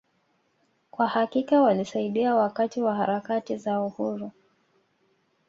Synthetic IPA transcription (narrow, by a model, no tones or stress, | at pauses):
kwahakikawalisaiɗiawakatiwahaɾakatizauhuɾu